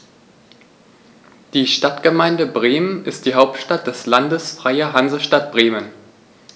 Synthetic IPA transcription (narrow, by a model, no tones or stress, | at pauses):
d̥iːʃtatɡ̥əmaɪndəbʁeːmənɪst̚d̥iːɦaʊptʃtat̚d̥ɛslandəsfʁ̥aɪɐɦanzəʃtat̚b̥ʁeːmən